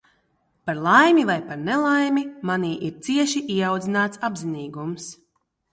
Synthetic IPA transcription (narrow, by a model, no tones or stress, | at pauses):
paɾlˠajmʲivajpaɾnɛlˠajmimaniːʔiɾt̪siɛʃiʔiɛawd̪zinaːt̪sabziniːɡums